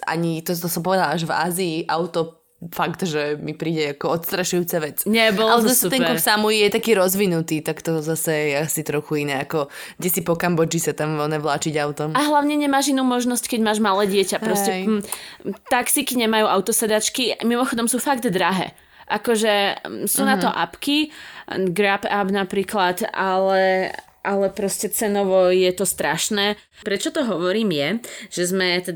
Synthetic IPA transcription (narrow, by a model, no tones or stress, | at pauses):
a̰ɲit̪ɔt̪ɔsɔmpɔʋɛd̪alaʒva̰ːziːʔa̰ʊt̪ɔ | fakt̪ʒɛmipɾiːɟɛakɔɔt̪st̪ɾaʃujuːt͡saʋɛt͡sɲɛbɔlalɛzasɛut̪ɛnŋpɛkuɾfsamujijɛt̪akiːɾɔzʋinut̪iːt̪akt̪ɔzasɛjɛasit̪ɾɔxuinɛːakɔɡdɛsipɔkambɔd͡ʒisat̪amʋɛlnɛʋlaːt͡ʃiɟaʊt̪ɔmaɦlaʊɲɛɲɛmaːʒinuːmɔʒnɔsckɛɟmaːʒmalɛːɟɪɛcapɾɔscɛ | t̪aksikiɲɛmajuːaʊt̪ɔsɛd̪at͡ʃkimimɔxɔd̪ɔmsuːfaɡd̪d̪ɾaɦɛ̰ː | ʔakɔʒɛsuːnat̪ɔʔapki | ɡɾapabnapɾiːklat̪alɛ | ʔalɛpɾɔscɛt͡sɛnɔʋɔjɛt̪ɔst̪ɾaʃnɛː | pɾɛt͡ʃɔt̪ɔɦɔʋɔɾiːmjɛʒ̥ɛzmɛt̪ɛ